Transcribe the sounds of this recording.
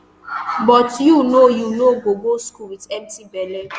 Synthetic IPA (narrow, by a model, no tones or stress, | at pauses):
bɔtjunojunoɡoɡ͡boskuɾitɛmtibɛlɛ